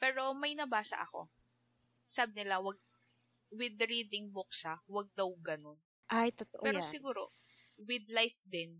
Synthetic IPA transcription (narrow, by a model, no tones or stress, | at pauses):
pɛːɾo̞mɐjnɐbaːsɐ̰ʔɐ̰ko̞̰ | saːbɪnɪlawɐɡ̚ | wɪd̪ɾiːd̪ɪŋbok̚sawɐɡ̚d̪ɐwɡɐno̞n | ʔajt̪ot̪oʔɛːɾosɪɡuːɾo̞̰ | wɪd̪̚lajfd̪ɪn